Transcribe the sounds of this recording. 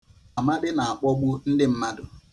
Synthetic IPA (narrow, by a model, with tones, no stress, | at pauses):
a˨ma˦dɪ˦na˨a˨k͡pɔ˦ɡ͡bu˦n̩˦dɪ˦m̩˦ma˦dʊ˨